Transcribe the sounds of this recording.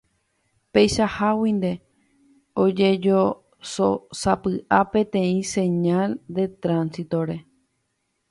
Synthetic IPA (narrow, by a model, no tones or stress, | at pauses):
pejʃahawĩnd̪e̞ | od͡ʒe̞d͡ʒo | sosapɨʔapẽ̞t̪ẽ̞ĩsẽ̞ɲald̪e̞t̪ɾãnsit̪o̞ɾe̞